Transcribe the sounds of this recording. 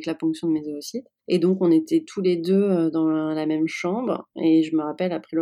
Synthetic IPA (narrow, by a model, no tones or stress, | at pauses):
klafɔ̃ksjɔ̃d̪əmezeosit̪ | ed̪ɔ̃kɔ̃net̪ɛt̪ʰuled̪ød̪ɑ̃lamɛmʃɑ̃bʁeʒəməʁapɛlapχɛlə